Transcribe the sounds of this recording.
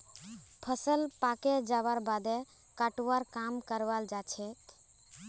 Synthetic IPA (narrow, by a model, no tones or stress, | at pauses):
pʰəsəlpaked͡ʒaβaɾbad̪e | kaʈuʋaɾkamkəɾʋald͡ʒat͡ʃʰɛt̪